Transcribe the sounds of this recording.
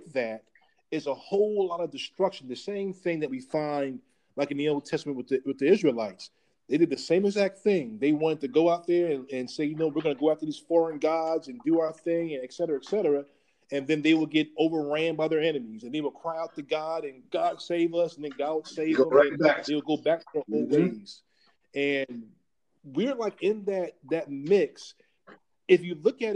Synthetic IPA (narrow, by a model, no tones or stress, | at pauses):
ðæɾ | ɨzəhoʊlˠlɑɾʌvdɨstɹ̥ʌkʃn̩ðɨsẽɪ̃mθɪ̃ŋðɨt̚wifãɪ̃nd̚ | laɪkɨ̃n̩ðioʊlˠd̚tʰɛstəmɨ̃nʔwəðiwɨðiɪzɹilaɪts | ðeɪdɨd̪̚ðɨsẽɪ̃mɨɡzæk̚t̪̚θɪ̃ŋðeɪwɑ̃nɨtɨɡoʊaʊt̪̚ðə˞ɨ̃nɨ̃nseɪjɨnoʊwɨɹɡʌnəɡoʊaʊtʰɨðiz̥fɔɹə̃nɡɑdzɨ̃ndɨaʊə˞θɪ̃ŋɨ̃nɨksɛɾə˞ɨɨksɛɾə˞ɨ | ɨ̃nðɨ̃nðeɪwəlˠɡɛɾoʊvə˞ɹæ̃mbaɪðə˞ɛnɨmizɨ̃nðeɪwəlˠkʰɹ̥aɪaʊtɨɡɑɾɨ̃nɡɑd̥seɪvʌsn̩ðɨ̃nɡɑd̚wəlˠseɪvʌ̃mɨ̃næðeɪwəlˠɡoʊbæk̚ə̃ʔɔlˠweɪz̥ | ɨ̃n | wɪɹlaɪkɪ̃nðɨt̚ðɨt̚mɪks | ɨfjɨlʊkɨɾ